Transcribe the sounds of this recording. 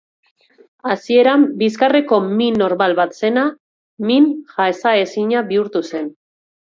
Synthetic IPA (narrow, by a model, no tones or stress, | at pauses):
asie̞ɾambiskare̞ko̞mino̞ɾmalβat̪se̞na | minxaesae̞siɲaβiuɾt̪use̞n